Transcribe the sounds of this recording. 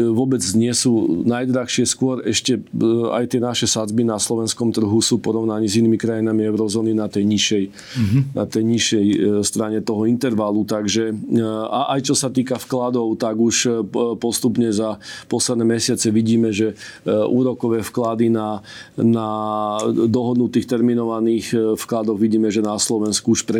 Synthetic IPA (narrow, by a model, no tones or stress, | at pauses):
ʋʊɔbɛd͡zɲɪɛsuːnajd̪ɾaxʃɪɛskʊɔɾɛʃcɛa̰jt̪ɪɛnaʃɛsad͡zbinaslɔʋɛnskɔmt̪r̩ɦusuːpɔɾɔʊnaɲiziniːmikɾajinamiɛʊɾɔzɔːninat̪ɛjɲiʃɛj | na̰t̪ɛjɲiʃɛjst̪ɾaɲɛt̪ɔɦɔint̪ɛɾʋalut̪aɡʒɛaʔajt͡ʃɔsat̪iːkafklad̪ɔʊt̪aɡuʃpɔst̪upɲɛzapɔslɛd̪nɛːmɛsɪat͡sɛʋiɟiːmɛʒɛʔuːɾɔkɔʋɛːfklad̪inana | d̪ɔɦɔd̪nut̪iːxt̪ɛɾminɔʋaniːxfklad̪ɔɣʋiɟiːmɛʒɛnaslɔʋɛnskuuʃpɾɛ